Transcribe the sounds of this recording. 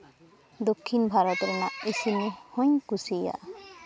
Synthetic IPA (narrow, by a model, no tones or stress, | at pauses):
d̪okʰːinbʱaɾɔt̪ɾɛnaʔesinehɔɲkusija̰ʔ